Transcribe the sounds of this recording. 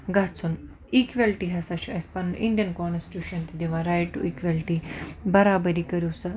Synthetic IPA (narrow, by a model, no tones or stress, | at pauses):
ɡʱat͡sun | ikʋalʈiɦɐsaɕuɐspanunʔĩnɖijənkɔnsi̥ʈjuːɕɐnt̪id̪eʋãɾajʈːuʔikʋalʈibɐɾabəɾikəɾisa